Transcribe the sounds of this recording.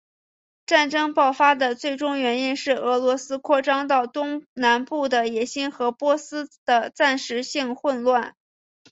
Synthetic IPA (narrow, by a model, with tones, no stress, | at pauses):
ʈ͡ʂa˥˩nʈ͡ʂɤ˥ŋpɑ˥˩ʊfa˥d̪ə˨t͡swe˥˩ɪʈ͡ʂʊ˥ŋɥɛ˧˥ni˥nʂɻ̩˥˩ɤ˧˥lwɔ˧˥sɹ̩˥kʰwɔ˥˩ʈ͡ʂɑ˥ŋt̪ɑ˥˩ʊt̪ʊ˥ŋna˧˥npu˥˩d̪ə˩jɛ˨˩ɕi˥nxɤ˧˥pwɔ˥sɹ̩˥d̪̥ə˧t͡sa˥˩nʂɻ̩˧˥ɕi˥˧ŋxwə˥˧nlwa˥˩n